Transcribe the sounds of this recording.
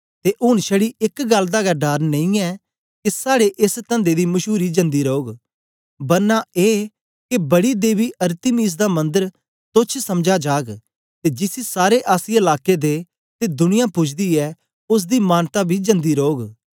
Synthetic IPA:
t̪eʔʊɽ̃ʃɐɽiɪkɡɐld̪aːɡaɖaːɾnɐ̃ĩɛː | kisaːɽeʔɪst̪ɐ̃nd̪ed̪imɐʃuːɾid͡ʒɐ̃nd̪iɾoːɡ | bɐɾnaeː | kebɐɽid̪eːbiʔɐɾt̪imiːs̬d̪amɐ̃nd̪əɾ | t̪ʊt͡ʃʰsɐmd͡ʒad͡ʒaːɡ | t̪ed͡ʒɪsisaːɾeʔaːsiɐlaːked̪eː | t̪ed̪ʊnɪjãpʊt͡ʃʰd̪iɛː | ʊs̬d̪imaːnt̪abʱid͡ʒɐ̃nd̪iɾoːɡ

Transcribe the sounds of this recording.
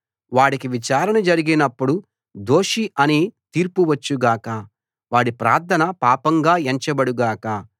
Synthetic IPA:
ʋaːɽikiʋit͡ʃaːɾɐnɐd͡ʒɐɾiɡinɐpːuɽu | d̪o̞ːʂiɐniːt̪iːɾpuʋɐt͡ʃːuɡaːkɐ | ʋaːɽipɾaːɾt̪ʰɐnɐpaːpɐŋɡaːeɲt͡ʃɐbɐɽuɡaːkɐ

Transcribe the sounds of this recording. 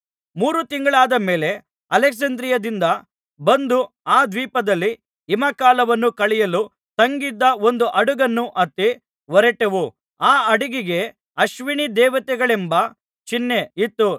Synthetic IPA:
muːɾut̪iŋɡɐɭaːd̪ɐme̞ːle̞ | ɐlɛksɐnd̪ɾijɐd̪ind̪ɐ | bɐnd̪u | aːd̪ʋiːpɐd̪ɐlːi | imɐkaːlɐʋɐnːukɐɭɛjɐlu | sɐŋɡid̪ːɐo̞nd̪uʔɐɽuɡɐnːuʔɐt̪ːi | ʋɔɾɛʈeʋu | aːɐɽiɡiɡe̞ | ɐʃʋiɳid̪ɛːʋɐt̪ɛɡɐɭembɐ | t͡ʃinːeit̪ːu

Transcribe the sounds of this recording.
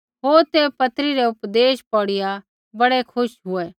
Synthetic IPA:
ɦoːɾt̪epɐt̪ɾiɾɛʊpd̪eːʃpɔːɽɪja | bɐɽɛkʰʊʃɦʊɛ

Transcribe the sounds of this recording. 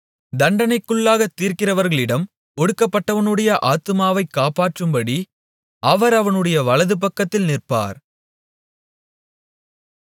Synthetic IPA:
d̪ɐɳɖɐnɐɪkːɯɭːaːɣɐt̪ːiːɾkɪrɐʋɐɾɣɐɭɪɽɐm | ɔɽɯkːɐpːɐʈːɐʋɐnɯɽɐjɐʔaːt̪ːɯmaːʋɐɪkːaːpaːʈrɯmbɐɽi | ʔɐʋɐɾɐʋɐnɯɽɐjɐʋɐɭɐðɯp̬ɐkːɐt̪ːɪlnɪrpa̰ːɾ

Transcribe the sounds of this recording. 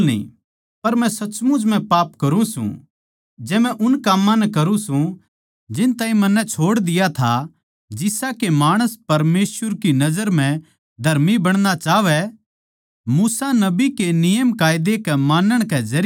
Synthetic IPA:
nḭ̃ː | pɐɾmɛ̃sɐt͡ʃmʊ̃d͡ʒm̤ɛ̃paːpkɐɾũsṵ̃ | d͡ʒɛːmɛ̃ʔʊnkaːmːãnɛkɐɾũsũ | d͡ʒɪnt̪aːĩmɐnːɛt͡ʃʰoːɽd̪ɪjat̪ʰa | d͡ʒɪsakemaːɽ̃əspɐɾmeːsʋəɾkinɐzəɾm̤ɛ̃ | d̪ʱɐɾmibɐɽ̃nat͡ʃaːʋɛ | muːsanɐbikenɪjəmkaːjd̪ekɛmaːnəɽ̃kɛzɐɾ

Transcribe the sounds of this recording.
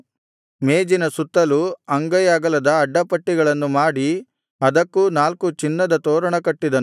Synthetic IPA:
meːd͡ʒinɐsut̪ːɐluɐŋɡɐjaːɡɐlɐd̪ɐːɖːɐpɐʈːiɡɐɭɐnːumaːɽi | ɐd̪ɐkːunaːlkut͡ʃinːɐd̪ɐt̪oːɾɐɳɐkɐʈːid̪ɐnu

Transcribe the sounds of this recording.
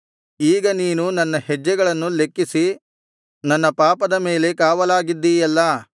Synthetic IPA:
iːɡɐniːnunɐnːɐhɛd͡ʒːɐɡɐɭɐnːulekːisi | nɐnːɐpaːpɐd̪ɐme̞ːle̞kaːʋɐlaːɡid̪ːiːjɐlːɐ

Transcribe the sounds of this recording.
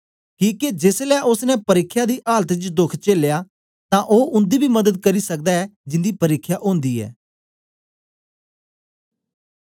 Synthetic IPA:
kĩːked͡ʒeːslɛːʔʊsnɛpəɾɪkʰːjaːd̪iːʔaːlət̪t͡ʃd̪ʊkʰt͡ʃeːljaː | t̪ãːʔoːʔʊ̃nd̪iːbʱiːməd̪əd̪̚kəɾiːsək̚d̪aːɛːd͡ʒɪ̃nd̪iːpəɾɪkʰːjaːʔõːnd̪iːɛ̰ː

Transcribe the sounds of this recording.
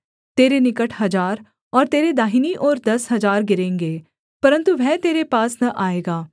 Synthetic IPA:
t̪eːɾenɪkəʈʰɦɐd͡ʒaːɾ | ɔːɾt̪eːɾed̪aːɦiːniʔoːɾd̪ɐsɦɐzaːɾɡɪɾẽːŋɡeː | pəɾə̃nt̪uʋɛːt̪eːɾepaːsnɐʔaːeːɡaː

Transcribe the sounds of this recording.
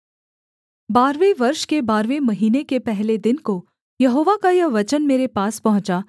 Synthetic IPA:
baːɾʋeʋɐɾʃkebaːɾʋemɐɦiːnekepɛɦled̪ɪnko | jɐɦoːʋakajɐʋɐt͡ʃənmeːɾepaːspɐɦʊ̃t͡ʃa

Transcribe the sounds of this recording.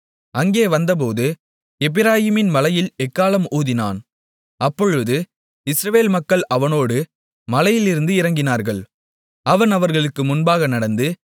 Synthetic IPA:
ʔɐŋɡeːʋɐnd̪ɐp̬oːðɯ | ɛbɪɾaːjɪmɪnmɐlɐjɪlɛkːaːlɐmuːðɪnaːn | ɐpːɔɻɯðɯ | ɪsɾɐʋeːlmɐkːɐɭɐʋɐnoːɽɯ | mɐlɐjɪlɪɾɯnd̪ɯɪɾɐŋɡɪnaːɾɣɐɭ | ɐʋɐnɐʋɐɾɣɐɭɯkːɯmʊnbaːɣɐnɐɽɐnd̪ɯ

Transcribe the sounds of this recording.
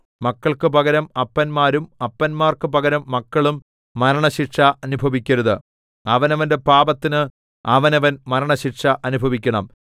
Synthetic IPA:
mɐkːɐɭkɨpɐɣɐɾɐmɐpːɐnmaːɾumɐpːɐnmaːrkɨpɐɣɐɾɐmːɐkːɐɭumː | ɐɾɐɳɐɕiʈʂɐɐnubʱɐʋikʲːɐɾɐðɨ | ɐʋɐnɐʋɐnde̞paːbɐt̪ːinɨ | ɐʋɐnɐʋɐnmɐɾɐɳɐɕiʈʂɐʔɐnubʱɐʋikʲːɐɳɐm

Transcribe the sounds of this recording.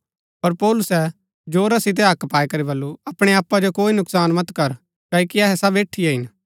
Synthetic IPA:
pɐɾpɔːlʊsɛ | d͡ʒoːɾasɪt̪̬ɛɦɐkpaːɛkɐɾibɐlːuɐpɽ̃eaːpːad͡ʒokoːinʊksaːnmɐt̪kɐɾ | kɐːikiɐɦɛsɐbeːʈʰːijaɦɪn

